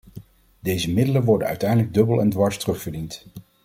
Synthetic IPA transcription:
dejzəmɪdələnʋɔɹdənœ̰ɥtɛjdələɡ̚dɵbəlˠɛ̰ndʋɑɹstrɵχvəɹdint

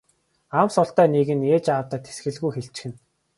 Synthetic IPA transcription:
amsʊɬt̪æːneɣɘ̆neːt͡ɕaːwt̪aːt̪ʰe̥sɡɘ̆ɮɣujxeɬt͡ɕ̆xɘ̆n

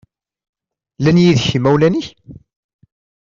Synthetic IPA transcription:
lænjiðçəmːæwlæniç

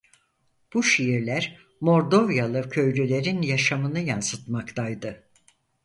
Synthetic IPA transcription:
b̥uʃijiɾlʲæɾ | mo̞ɾd̪o̞vjalˠɯcʰø̞jlʲylʲe̞ɾinjaʃamɯnɯjansɯt̪makt̪ʰajd̪ɯ

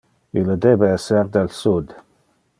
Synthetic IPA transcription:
ilːəd̪ebeɛseɾd̪elsud̪

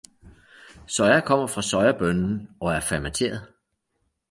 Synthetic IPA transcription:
sɒ̽ɪɐkʰɒ̽m̰ɐfʁɑ̈sɒ̽ɪɐb̥œnn̩ɒ̽æɐfæmæt͡sʰe̝̰ːɐð̩ˠ

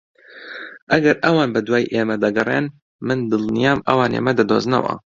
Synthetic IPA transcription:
ʔɐɡɐɾʔɐwɑːnbɨd̪waːjʔeːmɛd̪ɐɡɨrˤḛːn | mɨnd̪ɨlnijaːmʔɐ̰wɑːnḛːmɛd̪ɨd̪oːznɐ̰wɑ̰

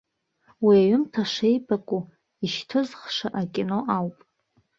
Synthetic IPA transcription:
wiaɥʏmtʰaʂe̞jbʼakʷʼu | iʃtʰɨzχʂaʔakʲʼino̞ʔawpʼ

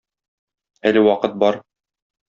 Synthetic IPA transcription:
ælɘwɒqɤt̪̚bɒɾ

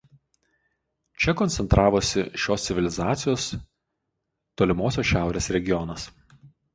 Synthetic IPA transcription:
t͡ʃʲɛkɔnʲt̪ʲɛnt̪ɾʔɑːʋoːsʲɪʃʲoːst̪sʲɪʋʲɪlʲɪzɑːt̪sʲɪjoːs | t̪oːlʲɪmoːsʲoːsʃʲæˑʊɾʲeːsɾʲɛɡʲɪjɔnɐs

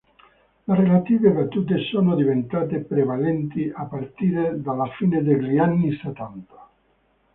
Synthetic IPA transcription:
lerelat̪iːvevat̪ːuːt̪esoːnod̪ivent̪aːt̪epɾevalɛnt̪iʔapːart̪iːɾed̪alafiːned̪eʎianːiset̪ːant̪ḁ

